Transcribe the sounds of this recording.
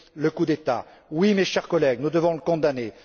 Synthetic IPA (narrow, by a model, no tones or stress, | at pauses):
ləkud̪et̪a̰ | wimeʃɛʁkɔlɛɡnud̪əvɔ̃ləkɔ̃d̪ane